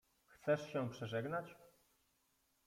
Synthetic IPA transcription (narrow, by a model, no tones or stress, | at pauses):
xt̪sɛʂɕɛ̃pʂɛʐɛɡnat͡ɕ